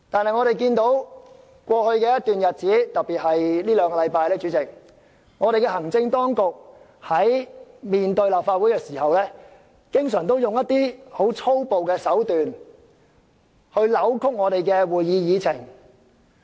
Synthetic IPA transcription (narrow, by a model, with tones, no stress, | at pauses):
t̪aː˨˧nhɐ˨jŋɔː˨˧ɾe˨jkiː˧nt̪o˨˥w | kʷɔː˧hɵ˧ɥkɛː˧jɐ˥t̪̚yː˨njɐ˨t̚t͡siː˨˥t̪ɐ˨p̚piː˨˩t̚hɐ˨jliː˥lœː˨˧ŋkɔ˧lɐ˨˧jpaː˧jlɛː˥t͡ʃy˨˥t͡sɪ˨k̚ | ŋɔː˨˧ɾe˨jkɛː˧ɦɐ˨˩ŋt͡sɪ˧ŋt̪ɔː˥ŋkʊ˨k̚ | hɐ˨˥jmiː˨nt̪ɵ˧ɥlaː˨p̚faː˧t̚wu˨˥jkɛː˧siː˨˩hɐ˨wlɛː˥ | kɪ˥ŋsœː˨˩ŋt̪̬o˥wjʊ˨ŋjɐ˥t̚t̪iː˥ho˨˥wt͡sʰo˥wpo˨wkɛː˧sɐ˨˥wt̪yː˨n | hɵ˧ɥlɐ˨˥wkʰʊ˥k̚ŋɔː˨˧ɾe˨jkɛː˧wuː˨˩jjiː˨˧jiː˨˧t͡sʰɪ˨˩ŋ